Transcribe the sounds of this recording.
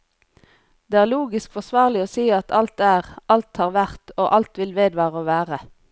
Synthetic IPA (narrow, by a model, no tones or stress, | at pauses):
d̪̥eːæːʁluːɡɪskfɔsʋɑːʁlɪoːsiːɑt̪ʰɑlt̪æːʁʔɑlt̪hɑːʁʋæʁt̪oːʔɑlt̪ʋɪlʋeːd̪ʋɑːʁəoːʋæːʁə